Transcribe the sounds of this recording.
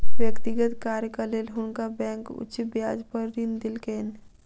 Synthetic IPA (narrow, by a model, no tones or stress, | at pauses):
ʋjəkt̪ɪɡət̪kaːɾjkaleːlɦʊnkabɛ̃ːŋkʊ̰t͡ʃbjaːd͡ʒpəɾːind̪ɪlkeːn